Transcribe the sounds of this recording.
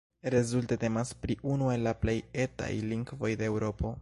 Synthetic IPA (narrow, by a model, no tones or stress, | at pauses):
ɾe̞zulte̞te̞maspɾiʔunue̞lːaple̞je̞ta̰jliŋɡvo̞jde̞ewɾo̞po̞